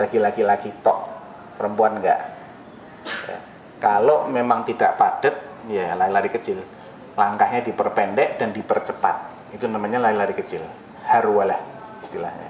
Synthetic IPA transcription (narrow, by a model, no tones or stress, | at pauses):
lakilakilakit̪ɔʔ | pəɾəmpuanŋɡa̰ʔ | ja̰ | kalomemaŋt̪ida̰ʔpad̥ət̪̚jalailaɾikət͡ʃɪl | laŋkahɲadipərpɛndɛʔd̥andipərt͡ʃəpa̰t̪̚ | it̪unamaɲalaɾilaɾikət͡ʃɪl | haɾualah | ist̪ila̰hɲa̰